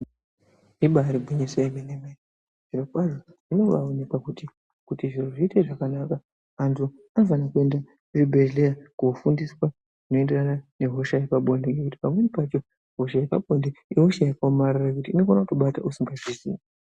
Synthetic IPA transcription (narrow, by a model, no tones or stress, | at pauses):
iɓaɾibʱwiɲiseimenemen | ʐ̥irokwaʐo | ʐino̞ʋaonekakuti | kutiʐiroʐiiteʐakanaka | antʰu | anvanakue̞nda | ribʱeʒlejakufundiswa | ʐino̞e̞nde̞ranane̞ɦo̞ʃajepaɓʱo̞ndeŋɡekuti̥pamwe̞nipat͡ʃo̞ | ɦo̞ʃajepaɓo̞ndeio̞ʃajakamaɾarakutiːno̞fonakukuɓata̰usiŋɡaʐizḭːma